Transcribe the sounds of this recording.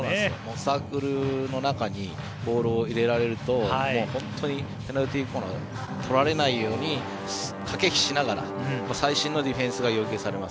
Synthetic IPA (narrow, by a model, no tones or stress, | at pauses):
sonãdesɨjo̰moːsaːkɯ̟ɾɯ̟no̞nakaɲ̟i | bo̞ːɾoːiɾe̞ɾaɾe̞ɾɯ̟t̪o̞mo̞ːhõ̞nt̪ʰo̞ɲ̟ipenaɾɯ̟t̪ʲiːkoːna̰ | t̪ʰo̞ɾaɾe̞naijo̞ːɲ̟i | skʰake̞kçʲi̥ɕinaɡaɾa̰moːsaiɕĩnːo̞d̪ʲiɸẽ̞ɰ̃sɨɡajo̞ːke̞ːsaɾe̞mas